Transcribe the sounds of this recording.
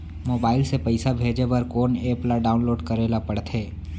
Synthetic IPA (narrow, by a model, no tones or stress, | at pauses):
moːbaːɪlsepɐɪsabʱeːd͡ʒebɐɾkoːneːplaɖaːʊnloːɖkɐɾeːlapɐɽt̪ʰeː